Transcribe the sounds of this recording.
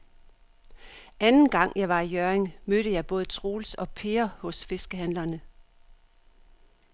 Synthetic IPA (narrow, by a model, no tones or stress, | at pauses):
ʔænn̩ɡ̥ɑ̈ŋ̰jɑ̈ɪʋɑ̈ijøɐeŋmøɾ̥əjɑ̈ɪb̥ɔ̽ːð̞̩ˠət͡sʰʁoːlsɒ̽pʰe̝ːɐhɔ̽sfe̝sɡ̥əɦænlɐnə